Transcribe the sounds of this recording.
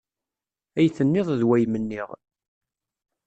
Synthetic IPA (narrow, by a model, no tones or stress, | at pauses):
æjθənːɪðˤðwæjmənːiʁ